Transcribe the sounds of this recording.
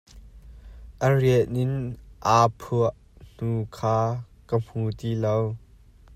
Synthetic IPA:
ʔəriəʔɪnʔaːpʰuəʔ | n̥uːkʰaː | kəm̥uːt̪iːlow

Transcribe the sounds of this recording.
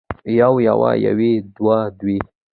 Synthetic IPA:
jawjawaja̰wed̪wad̪wi

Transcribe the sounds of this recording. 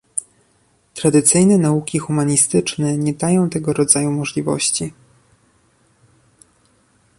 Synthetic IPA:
t̪ɾad̪ɘt̪sɘjnɛnaukʲixumaɲist̪ɘt͡ʂnɛɲɛd̪ajɔ̃w̃t̪ɛɡɔɾɔd̪zajumɔʐlʲivɔ̰ɕt͡ɕi

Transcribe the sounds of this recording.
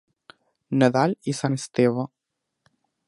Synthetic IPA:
nɛd̪alʲisanʲst̪eva

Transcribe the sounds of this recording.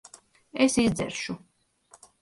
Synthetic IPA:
esizd̪zɛ̰ɾʃu

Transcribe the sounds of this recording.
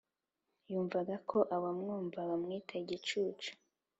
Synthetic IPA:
juːɱvaɡakʰo̞ʔawamŋuːɱvawamŋiːtʰaiɟit͡ʃuːt͡ʃu̥

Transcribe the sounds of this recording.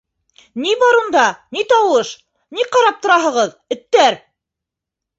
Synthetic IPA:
nibɑɾund̪ɑnit̪ɑwɤʃ | niqɑɾɑp̚t̪ŏɾɑɦɤ̆ʁɤð | ɵ̆t̪ːæɾ

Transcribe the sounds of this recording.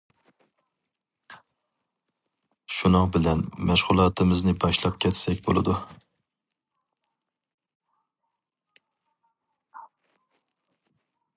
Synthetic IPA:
ʃunɑŋbɪlɛnmɛʃʁʊlˠɑːt̪ʰɨmɪznɪbɑʃlˠɑp̚kʲʰɛt̪sɛkʲbolˠɨ̰d̪u

